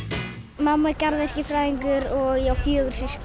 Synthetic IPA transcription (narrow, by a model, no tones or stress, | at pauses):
mamːaɛɾcaɾðɛr̥cɪfɾaːjðiŋkʏɾɔɣjawfjœːɣʏɾ̥sɪs